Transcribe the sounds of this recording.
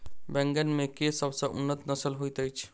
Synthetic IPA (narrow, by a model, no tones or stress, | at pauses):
bɛŋɡənmekesəbsə̃ʔṵnːət̪nəsəlɦojt̪əjt͡ʃʰ